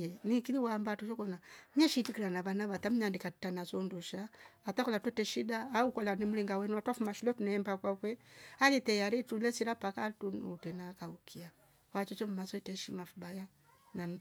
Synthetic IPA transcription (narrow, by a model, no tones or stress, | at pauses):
jɛnikiliwambatut͡ʃɔkɔnaɲɛʃitikiɾanaβanaβatam̩ɲandikatanazɔnduʃaːtakɔlatwɛtɛʃidaːukɔlanimuliŋɡawɛnuatwafumaʃulatunɛɛmbakwakwɛalitɛjaɾitulɛsiɾapakatunutɛnakaukʰia | wat͡ʃɔt͡ʃɔm̩masɔɛtɛʃimafubaja | na